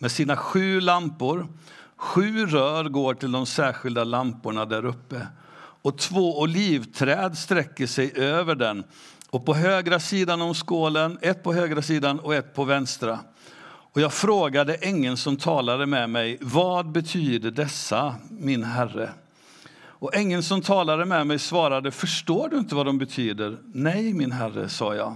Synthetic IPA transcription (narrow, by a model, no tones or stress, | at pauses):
mɛsiːnaɧʉ̟ːlampʊɾ | ɧʉ̟ːɾœːɾɡoːʈʰɪld̪ɔmsæːɾɧɪld̪alampʊɳad̪æːɾɵpːə | ɔt̪ʰvoːɔliːvt̪ʰɾɛːd̪st̪ɾɛkːəʂɛjʔøːvəɖɛn | ɔpɔɦøːɡɾasiːd̪anɔmskoːlənɛt̪̚pʰɔɦøːɡɾasiːd̪anɔɛt̪̚pʰɔvɛnst̪ɾa | ɔjɑːɡfɾoːɡad̪əʔɛŋːənsɔmt̪ʰɑːlad̪əmɛmɛjvɑd̪̚bɛt̪ʰyːd̪əɖɛsːamɪnɦærə̰ | ɔʔɛŋːənsɔmt̪ʰɑːlad̪əmɛmɛjsvɑːɾad̪əfœʂʈoːɖɵɪnt̪əvad̪ɔmbɛt̪ʰyːd̪əɾnɛjmɪnɦærːə̰sɑ̰ːjɑ̰ː